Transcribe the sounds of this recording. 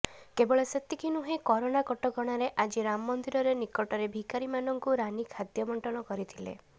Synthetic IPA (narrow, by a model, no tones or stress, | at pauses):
kebɔɭeset̪ikʰinuɦekɔɾonakɔʈɔɡɔɽ̃aɾeʔad͡ʒiɾamɔːɔnd̪iɾɔɾenikɔʈɔɾebʱikaɾimanɔŋkuɾanikʰad̪jɔmɔɳʈɔnɔkɔɾit̪ʰilḛ